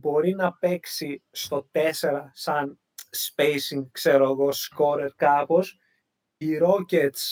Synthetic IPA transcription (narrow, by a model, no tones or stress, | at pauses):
bo̞ɾinɐpe̞ksist̪o̞t̪e̞se̞ɾɐsɐn | spejsiŋɡkse̞ɾoɣo̞sko̞ɾeɾkɐpo̞s | iɾo̞cet̪s